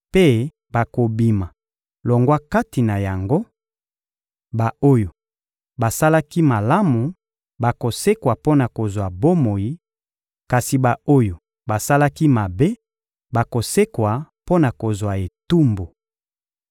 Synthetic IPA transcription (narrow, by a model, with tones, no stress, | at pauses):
pe˦ | ba˨ko˨bi˨ma˨ | lo˨ŋɡwa˦ka˦ti˨na˨ja˨ŋɡo˦ | ba˨o˦jo˨ | ba˨sa˦la˦ki˦ma˨la˦mu˨ | ba˨ko˨se˦kwa˨po˦na˨ko˨zwa˨bo˦mo˨ji˦ | ka˨si˨ba˨o˦jo˨ | ba˨sa˦la˦ki˦ma˨be˦ | ba˨ko˨se˦kwa˨po˦na˨ko˨zwa˨e˨tu˦mbo˨